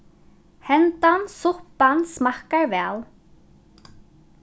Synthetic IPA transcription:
hɛnt̪ansʊhpansmahkaɹvɛːl

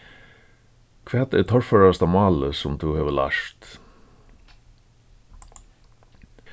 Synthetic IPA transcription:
kʰʋɛːt̪ḛːt̪ʰɔɹføɹɑst̪ɑːmɑːləsʊmd̪uːheːʋəlɑ̰ʃt̪

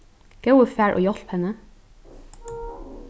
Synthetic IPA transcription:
ɡ̥ɑʉəfæːɹʔo̰ːjɔlphɛnə

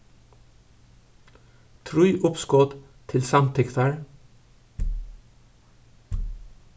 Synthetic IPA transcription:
t̪ʰɹʉːʔʊpskoːt̪t̪ʰɪlsɑmt̪ʰɪkt̪ʰɑɹ

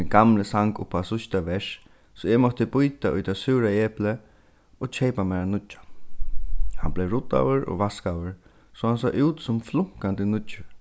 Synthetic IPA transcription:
ɪnɡamləsaŋkʊpʰːasʊʃt̪aʋɛʂ | sɔɛmɔht̪əbʊjt̪aʔʊjt̪ʰasʏːɾaɛːplə | oːt͡ʃʰejpamɛɾanʊḁ | hanblejɹʊt̪a̰wəɹɔ̰ʋaskawəɹ | sɔhansɔ̰ːʔuːt̪sʊmflʊŋ̥kant̪ənʊəɹ

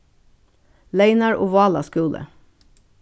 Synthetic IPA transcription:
leɪnɑɹʔoːʋɑːlɑ̰skʉːlə̰

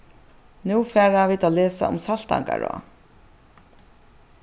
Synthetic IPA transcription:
nuːfɛːɾaviːd̪aːlɛːsa̰ʊ̰msal̥t̪a̰ŋkaɹɔ̰ː

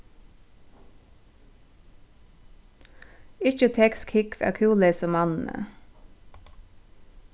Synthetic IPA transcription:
ɪçət̪ʰɛkskʰɪkfæ̰ːkʰʉːləɪsɔmɑnn̩ə̰

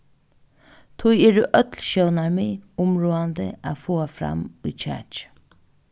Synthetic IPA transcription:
t̪ʰʊjeːɾuːʔœt̪lʃœwnaɹmɪʊmɹoːand̪ə̰aːfoːafɾa̰mʊjt͡ʃʰɛ̰ːt͡ʃ

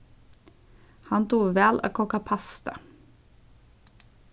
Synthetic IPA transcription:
hɑnt̪uːʋæːlʔo̰ːkʰɔkɑpʰɑst̪ə̰

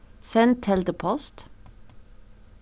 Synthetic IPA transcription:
sɛnt̪ʰɛld̪əpʰɔst̪

